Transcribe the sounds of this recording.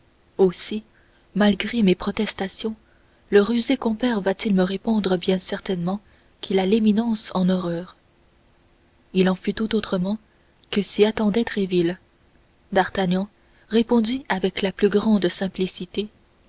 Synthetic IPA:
osi | malɡʁemepχɔt̪ɛst̪asjɔ̃ | ləʁyzekɔ̃pɛʁvat̪ilməʁepɔ̃d̪ʁəbjɛ̃sɛʁt̪ɛnmɑ̃ | kʰʲilaleminɑ̃sɑ̃nɔʁœːʁ | ilɑ̃fyt̪ut̪ot̪χəmɑ̃ | kəsiat̪ɑ̃d̪ɛt̪χevil | d̪aʁt̪aɲjɑ̃ | ʁepɔ̃d̪yavɛklaplyɡʁɑ̃d̪sɛ̃plisit̪e

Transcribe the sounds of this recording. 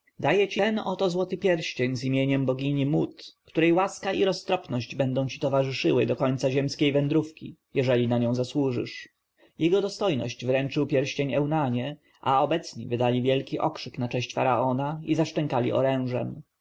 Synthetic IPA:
d̪ajɛt͡ɕiɛnɔt̪ɔzwɔt̪ɘpʲjɛɾɕt͡ɕeɲzimʲjeɲɛmbɔɡʲiɲimut̪kt̪uɾɛjwaskaʔiɾɔst̪ɾɔpnɔɕd͡ʑbɛnd̪ɔ̃w̃t͡ɕi̥t̪ɔvaʐɘʂɘwɘd̪ɔkɔɲt̪saʑɛmskʲejvɛnd̪ɾufkʲḭjɛʐɛlʲinaɲɔ̃w̃zaswuʐɘ̰ʂ | jɛɡɔd̪ɔst̪ɔjnɔ̰ɕd͡ʑvɾɛnt͡ʂɘwpʲjɛɾɕt͡ɕeɲɛwnaɲɛ | ʔa̰ɔbɛt̪sɲḭvɘd̪alʲivʲjɛlkʲiʔɔkʂɘknat͡ʂɛ̃ɕt͡ɕfaɾa̰ɔnaizaʂt͡ʂɛŋkalʲḭɔ̰ɾɛ̃w̃ʐɛ̰m

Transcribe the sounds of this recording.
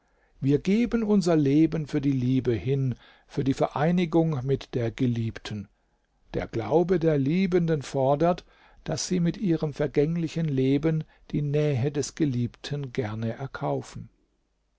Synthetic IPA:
viːɐɡeːbənʊnzɐleːbənfyːɐdiːliːbəhɪn | fyːɐdiːfɛɐʔaɪnɪɡʊŋmɪtd̥eːɐɡəliːptʰən̩ | d̥ḛːɐɡ̥la̰ʊbədeːɐliːbəndənfɔɐdɐt | d̥asz̥iːmɪtʔiːʁəmfɛɐɡɛŋlɪçənleːbən | d̥iːnɛːɦədɛsɡ̥əliːptʰənɡɛɐnəʔɛɐkʰaʊfn̩

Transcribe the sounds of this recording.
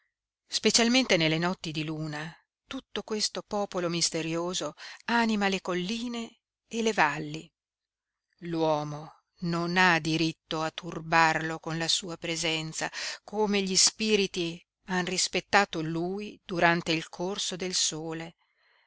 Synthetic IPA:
spet͡ʃalment̪enelːenɔt̪ːid̪iluːna | t̪ut̪ːokwest̪opɔːpolomist̪eɾjoːzoanimalekolːiːneː | levalːi | lwɔːmo | nonad̪iɾit̪ːoat̪ːurbarlokonlasuːapɾezɛnt̪sakomeʎispiːɾit̪i | anrispet̪ːaːt̪oluːjd̪̥uɾant̪eilkʰorsod̪elsoːle

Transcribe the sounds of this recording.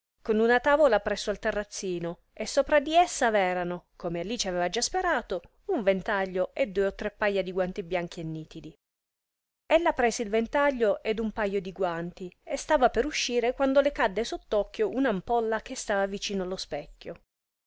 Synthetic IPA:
konunat̪aːvolapɾɛsːoalt̪erːat̪sːiːno | esːoːpɾad̪iesːavɛːɾanokomealːit͡ʃiavɛːvad͡ʒaspeɾaːt̪o | uɱvent̪aʎːoʔed̪ːuːeot̪ːɾepːajːad̪iɡwant̪ibjaŋk̟ienːiːt̪id̪i | elːapɾɛːseilvent̪aʎːoʔed̪umpajːod̪iɡwant̪iest̪aːvapeɾuʃːiːɾekwand̪olekad̪ːesot̪ːɔkːjoʔunampɔlːak̟est̪aːvavit͡ʃiːnoalːospɛkʲːjo

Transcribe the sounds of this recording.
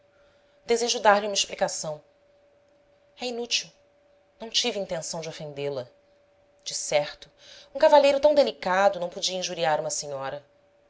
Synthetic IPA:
d̪ezeʒʊd̪aɾlɪũmɐeʃplikasɐ̃w̃ | ɛinut͡ʃiw | nɐ̃w̃t͡ʃivĩnt̪ẽsɐ̃w̃d͡ʒɪofẽnd̪elɐ | d͡ʒɪsɛχt̪ʊũkavaʎejɾʊt̪ɐ̃w̃d̪elikad̪ʊnɐ̃w̃pod͡ʒiɐĩʒuɾiaɾũmɐseɲɔɾɐ

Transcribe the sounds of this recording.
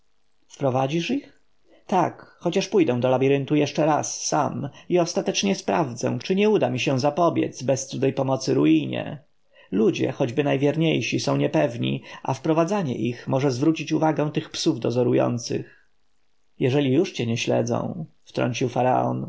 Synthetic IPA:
fpɾɔvad͡ʑiʂix | t̪akxɔt͡ɕaʂpujd̪ɛw̃d̪ɔlabʲiɾɘnt̪ujɛʂt͡ʂɛɾasːamiɔst̪at̪ɛt͡ʂɲɛspɾavd̪zɛ̰̃t͡ʂɘɲɛud̪amʲiɕɛ̃zapɔbʲjɛ̰t̪zbɛst̪sud̪ɛjpɔmɔt̪sɘɾuiɲɛ̰ | lud͡ʑɛ̰xɔd͡ʑbɘnajvʲjɛɾɲejɕisɔ̃w̃ɲɛpɛvɲḭʔafpɾɔvad̪zaɲɛ̰ʔixmɔʐɛzvɾut͡ɕit͡ɕuvaɡɛ̃w̃t̪ɘxpsuvd̪ɔzɔɾujɔ̰nt̪sɘ̰x | jɛʐɛlʲijuʂt͡ɕɛɲɛɕlɛ̰d̪zɔ̰̃w̃ | ft̪ɾɔ̰ɲt͡ɕiwfaɾa̰ɔ̰n

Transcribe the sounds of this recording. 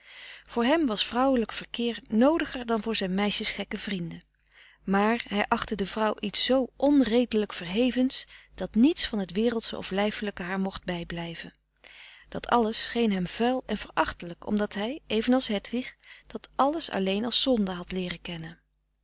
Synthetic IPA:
v̥ʊːɹɦɛmʋɑsfrʌwələkfəɹkɪːɹnowdəχəɹdɑnvʊːɹzɛjnmɛjʃəsχɛkəvrində | maːɹɦɛjʔɑχtədəvrʌwʔitsːowʔɔnrejdələkfəɹɦejvənsd̥ɑtnitsfɑnɦətʋɪːrəlˠtsə̰ɔ̰flɛjfələkəɦaːɹmɔχt̚bɛjblɛjvən | d̥ɑtʰɑ̰ləsːχejnɦɛmv̥ɛlˠɛnvəɹʔɑχtələkɔ̰mdɑtɦɛjʔejvənɑlˠsɦɛtʋiχd̥ɑtʔɑləsɑ̰lejnɑlˠsɔndəɦɑtlɪːrəkɛnən

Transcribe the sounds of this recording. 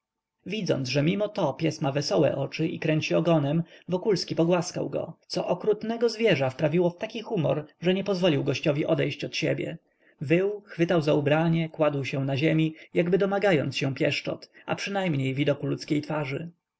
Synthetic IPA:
vʲid̪zɔ̰nd̪ʐɛmʲimɔt̪ɔpʲjɛsmavɛsɔwɛ̰ʔɔt͡ʂɘʔḭkɾɛɲt͡ɕiɔɡɔnɛmvɔkulskʲipɔɡwaska̰wɡɔ̰t̪sɔʔɔkɾut̪nɛɡɔzvʲjɛʐafpɾavʲiwɔft̪akʲixumɔ̰ɾʐɛɲɛpɔzvɔlʲiwɡɔɕt͡ɕɔvʲiʔɔd̪ɛjɕt͡ɕɔt̪ɕɛ̰bʲjɛ̰ | vɘwxfɘt̪awzaubɾaɲɛkwad̪wɕɛw̃naʑemʲijaɡbɘd̪ɔmaɡajɔ̰nt̪sɕɛ̃pʲjɛʂt͡ʂɔ̰t̪ʔa̰pʂɘnajmɲejvʲid̪ɔkulut̪skʲejt̪faʐɘ̰

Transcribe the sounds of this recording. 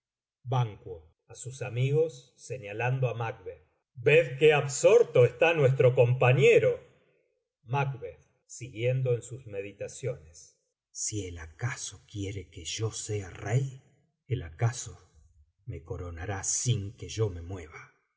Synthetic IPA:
baŋkwo | asusamiɣo̞sː | eɲaland̪oamak̚βeð | beðkeaβso̞ɾt̪o̞est̪anwe̞s̬t̪ɾo̞ko̞mpaɲeɾo̞ | makβeð | siɣje̞nd̪o̞ensusme̞ðit̪asjo̞nes | sielakasokjeɾekeʒo̞se̞a̰rej | elakaso | me̞ko̞ɾonaɾasiŋke̞ʒo̞me̞mwe̞βa

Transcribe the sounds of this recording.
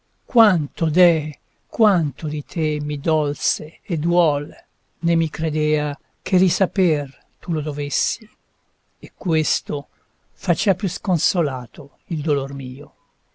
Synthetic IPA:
kwant̪od̪ɛ | kwant̪od̪it̪ʰemːid̪ɔlseːd̪wɔl | nemːikɾed̪eːa | k̟ʰerisaper | t̪ulod̪ovesːi | ekːwest̪o | fat͡ʃɛvapjuskonsolaːt̪o | ild̪olormiːo

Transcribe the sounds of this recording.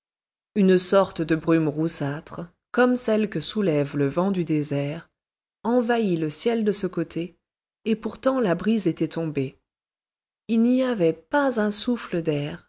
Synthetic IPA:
ynəsɔʁt̪əd̪əbʁymʁusat̪χ | kɔmsɛlkəsulɛvləvɑ̃d̪yd̪ezɛʁ | ɑ̃vailəsjɛld̪əsəkot̪ʰeː | puʁt̪ɑ̃labʁizet̪ɛt̪ɔ̃be | ilniavɛpazɛ̃sufləd̪ɛːʁ

